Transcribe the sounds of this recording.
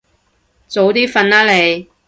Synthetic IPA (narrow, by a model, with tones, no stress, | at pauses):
t͡so˨˥wt̪iː˥fɐ˧naː˥le˨˧j